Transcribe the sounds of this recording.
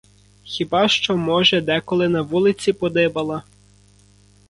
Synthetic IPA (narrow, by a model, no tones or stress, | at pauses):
xʲibɑʃt͡ʃɔmɔʒɛd̪ɛkɔlˠɪnɐʋulˠɪt͡sʲipɔd̪ɪbɐlˠɐ